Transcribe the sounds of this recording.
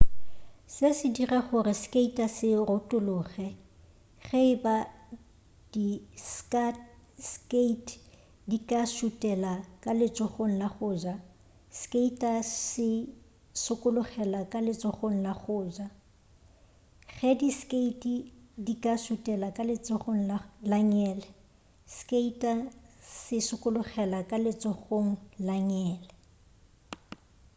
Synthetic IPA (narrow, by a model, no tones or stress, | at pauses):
sɪsɪdirɛχʊrɪskʼeitʼasɪrʊtʼʊlʊːχɛ | χɛɪba | d̥iskaskeitʼ | dikʼaʃutʼɛlakʼalɪt͡sʼɔχoŋ̩laχʊːd͡ʒa | skʼeitʼasɪ | sʊkʼʊlʊχɛlakʼalɪt͡sʼɔχoŋ̩laχʊːd͡ʒa | χɛdiskʼeitʼidikʼaʃutʼɛlakʼalɪt͡sʼʊχoŋ̩lalaɲɛːlɛ | skʼeitʼasɪsʊkʼʊlʊɣɛlakʼalɪt͡sʼɔχoŋ̩laɲɛːlɛ